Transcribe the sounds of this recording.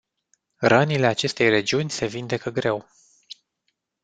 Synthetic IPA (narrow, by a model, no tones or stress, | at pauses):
rənile̞at͡ʃe̞st̪e̞jre̞d͡ʒiunʲse̞vind̪e̞kəɡɾe̞w